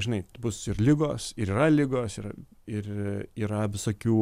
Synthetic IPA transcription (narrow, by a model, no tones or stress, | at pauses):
ʒʲɪnɐɪbʊsɪrlʲɪɡoːsɪɾiːɾɐlʲɪɡoːsɪr | ɪriːɾɐʋʲɪsoːkʲuː